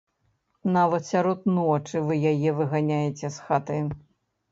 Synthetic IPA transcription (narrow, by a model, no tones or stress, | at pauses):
navɐt̪sʲaɾɔt̪̚nɔt͡ʂɨvɨjajɛvɨɣanʲajet͡sʲɛsxat̪ɐj